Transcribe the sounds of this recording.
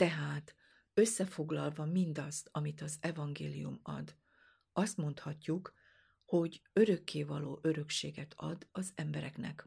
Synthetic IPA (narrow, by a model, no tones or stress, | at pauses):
t̪ɛɦaːt̪ | ø̞sːɛfo̞ɡlɒlvɒmind̪ɒst̪ɒmit̪ɒzɛvɒŋɡeːlijumɒ̰d̪ | ɒst̪mo̞nt̪hɒcːuk | ho̞ɟøɾø̞kːeːvɒloːʔø̞ɾø̞kʃeːɡɛt̪ʰɒd̪ɒzɛmbɛɾɛknɛ̰k